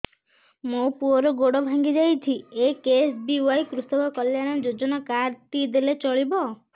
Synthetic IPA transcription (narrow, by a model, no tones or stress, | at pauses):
mopuɔɾɔɡoɽɔbʱaŋɡid͡ʒajt͡ʃʰiekesbiuajkɾusɔkɔkɔljaɽ̃ɔd͡ʒod͡ʒɔnɔkaɾt̪id̪elet͡ʃɔɭibɔ